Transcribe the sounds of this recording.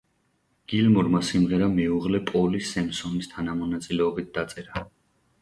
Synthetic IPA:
ɡ̥ilmuɾmasimʁɛɾamɛuʁlɛpʼɔlisɛmsɔnist̪ʰanamɔnat̪sʼilɛɔbit̪̚ʰd̪̥at̪sʼɛɾa

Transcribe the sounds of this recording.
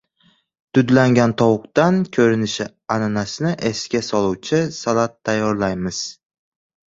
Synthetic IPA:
d̪̥ʊd̪laŋɡʲant̪ʰɒwʊq̚t̪ankʲʰɵɾɪnɪʃɪ | ananasɪnɪʔeskʲasɒlˠuwt͡ʃʰɪsalat̪ʰːajːɒɾlajmɪz̥

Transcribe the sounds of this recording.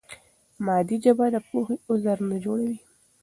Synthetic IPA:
mɑd̪id͡ʒabad̪əpoxeʊzaɾnod͡ʒoɽawi

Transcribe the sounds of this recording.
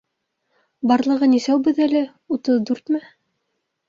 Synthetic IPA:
bɑɾlˠɤ̆ʁɤnisæwbɵðælɘ | ut̪ɤðd̪ʉɾt̪mæ

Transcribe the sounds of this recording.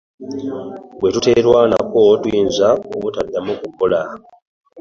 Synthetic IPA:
bwe̞tute̞ːɾwaːna̰ko̞twiːnzaoβutadːamukukola

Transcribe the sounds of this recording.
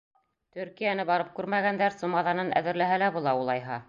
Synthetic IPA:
t̪ɵ̆ɾkijænɘbɑɾɤp̚kʉɾmæɡænd̪æɾsumɑðɑnɤnʔæ̰ðɘ̆ɾlæɦælæbulˠɑulˠɑjɦɑ

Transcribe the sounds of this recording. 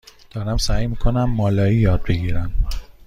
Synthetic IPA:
d̪̥ɒːɾæmsæːjmiːkʰonæmːɒːlɒːiːjɒːd̪̚be̞ɡiːɾæn

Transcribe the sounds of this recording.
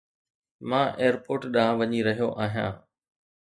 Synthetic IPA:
mãːʔeːəɾpoːɾʈɗaːãʋɐɲiɾɐɦijoʔaːɦijã̰ː

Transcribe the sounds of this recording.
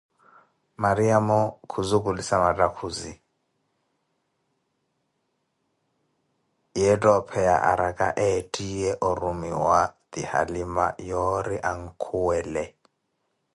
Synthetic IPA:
maɾiamɔkʰuzukʼulisamatʼakʰuzi | jɛtʼɔpʰɛja̰ʔa̰ɾakʼa̰ʔɛtʼijɛʔɔɾumiwad̪iha̰lima̰jɔɾiʔaŋ̩kʰuwɛːlɛ

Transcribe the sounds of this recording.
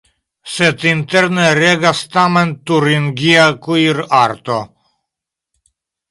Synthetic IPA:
sɛt̪int̪ɛɾnɛɾɛɡast̪amɛnt̪uɾiŋɡiakuiɾaɾt̪o

